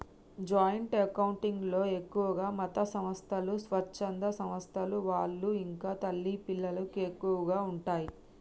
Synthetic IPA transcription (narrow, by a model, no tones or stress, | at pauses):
d͡ʒaːjɐɳʈɐkɐwuɳʈiŋɡlo̞ːe̞kːuʋɐɡaːmɐt̪ɐsɐmɐst̪ʰɐlusʋɐt͡ʃːɐnd̪ɐsɐmɐst̪ʰɐluʋaːɭːuiŋkaːt̪ɐlːipilːɐlɐkuekːuʋɐɡaːuɳʈaːji